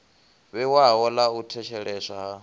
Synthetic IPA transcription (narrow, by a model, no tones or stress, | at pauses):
βɛwawɔlautʰɛʃʰɛɺɛːʃa